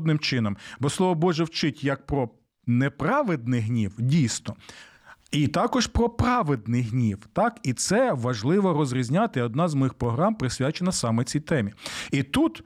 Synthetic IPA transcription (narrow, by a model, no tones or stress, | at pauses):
d̪nɪmt͡ʃɪnɔmbɔslˠɔʋɔbɔʒɛwt͡ʃɪtʲjɐk̚pɾɔ | nepɾɑʋed̪̚nɪjɦnʲiwdʲijsnɔ | it̪ɑkɔʒpɾɔpɾɑʋed̪nɪjɦnʲiwt̪ɑkit̪sɛʋɐʒlˠɪʋɔrɔzɾʲizʲnʲɑt̪ɪɔd̪nɑzmɔjɪxpɾɔɦɾɑmpɾɪsʲʋʲat͡ʃenɐsɑmɛt͡sʲijt̪ɛmʲiit̪ut̪